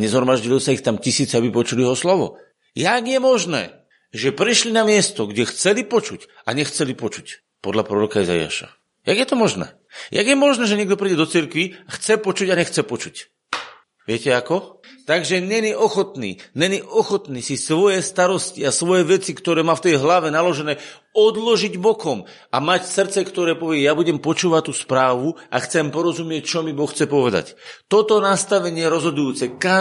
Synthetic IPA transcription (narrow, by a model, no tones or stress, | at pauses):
ɲɛzɦɔɾmaʒɟilɔsaixt̪amcisiːt͡sɛabipɔt͡ʃuliɛɦɔslɔʋɔ̰ | jaɡjɛmɔʒnɛ̰ː | ʒɛpɾiʃlinamɪɛst̪ɔɡɟɛxt͡sɛlipɔt͡ʃuc | aɲɛxt͡sɛlipɔt͡ʃu̥c | pɔd̪ʎapɾɔɾɔkaiza̰ja̰ːʃa̰ | jaɡjɛt̪ɔmɔʒnɛ̰ː | ja̰ɡjɛmɔʒnɛːʒɛɲɛɡd̪ɔpɾiːɟɛd̪ɔt͡siɾkʋiaxt͡sɛpɔt͡ʃuɟaɲɛxt͡sɛpɔt͡ʃuc | ʋɪɛcɛakɔt̪aɡʒɛɲɛɲiʔɔxɔt̪nḭːɲɛɲiʔɔxɔt̪niːsisʋɔjɛst̪aɾɔsciasʋɔjɛʋɛt͡sikt̪ɔɾɛːmaːft̪ɛjɦlaʋɛnalɔʒɛnɛː | ɔd̪lɔʒiɟbɔkɔm | amacsrt͡sɛkt̪ɔɾɛːpɔʋɪɛjaːbuɟɛmpɔt͡ʃuːʋact̪ːuːspɾaːʋua̰xt͡sɛmpɔɾɔzumɪɛc̚t͡ʃɔmibɔxt͡sɛpɔʋɛd̪a̰ct̪ɔt̪ɔnast̪aʋɛɲɪɛjɛɾɔzɦɔd̪ujuːt͡sɛka